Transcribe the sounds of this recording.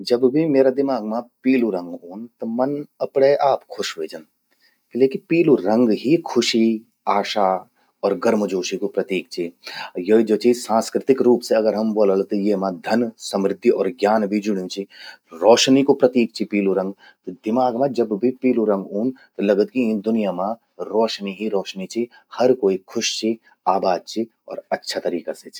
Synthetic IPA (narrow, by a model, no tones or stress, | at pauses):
d͡ʒɐbbʱimeːɾad̪ɪmaːɡmãpiːluɾɐ̃ŋɡuːnt̪omɐnɐpɽeʔaːpkʰʊʃʋeːd͡ʒən | leːkipiːluɾɐ̃ŋɡɦikʰʊʃi | aːʃaː | ɔːɾɡɐɾməd͡ʒoːʃikopɾɐt̪iːk̚t͡ʃʰijoːid͡ʒoːt͡ʃiːzsãːnskɾɪt̪ɪkɾuːpseɐɡəɾɦɐmboːləlt̪ojeːmãd̪ʱɐnsɐmɾɪd̪ʱːiɔːɾɡjaːnbʱid͡ʒʊɽ̤jũt͡ʃʰiɾɔːʃnikopɾɐt̪iːk̚t͡ʃʰipiːluɾɐ̃ŋɡ | t̪od̪ɪmaːɡmãd͡ʒɐbbʱipiːluɾɐ̃ŋɡuːnt̪olɐɡət̪kĩnd̪ʊnijamã | ɾɔːʃniɦiɾɔːʃnit͡ʃʰi | hɐɾkoːikʰʊʃt͡ʃʰi | aːbaːd̪̚t͡ʃʰi | ɔ̰ːɾɐtːʃʰat̪ɐɾiːkaset͡ʃʰi